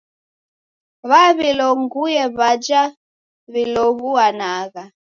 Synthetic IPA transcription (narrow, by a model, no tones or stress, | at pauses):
βaβilɔŋɡujɛβad͡ʒa | βilɔɣuanaɣa